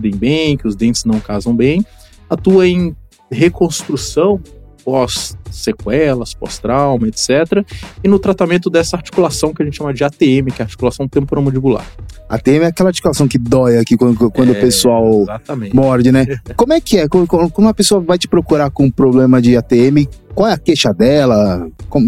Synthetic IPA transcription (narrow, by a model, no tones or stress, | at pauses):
d̪ẽj̃bẽj̃kɪʊzd̪ẽnt͡ʃɪ̥znɐ̃w̃kazɐ̃w̃bẽj̃ | at̪uɐẽj̃ | hekõst̪ɾusɐ̃w̃pɔsːekwɛlɐspɔ̰st̪ɾawmɐet̪sɛt̪ɾɐɪnʊt̪ɾat̪amẽnt̪ʊd̪ɛsɐaɾt͡ʃi̥kulasɐ̃w̃kɪɐʒẽt̪ɪʃɐ̃mɐd͡ʒɪat̪eẽmɪkɛaɾt͡ʃi̥kulasɐ̃w̃t̪ẽmpoɾãmod͡ʒibula̰ɾa̰t̪eẽmɪɛakɛlɐaɾt͡ʃi̥kulasɐ̃w̃kɪd̪ɔjɐakikwɐ̃kwɐ̃nd̪ʊpesuawzat̪ɐm̃mɔɾd͡ʒɪnɛkõmʊɛkɪɛkõkõkõnd̪ʊɐpesoɐvajt͡ʃɪ̥pɾokuɾakõpɾoblẽmɐd͡ʒɪat̪eẽmɪkwawɛɐkeʃɐd̪ɛlɐkõm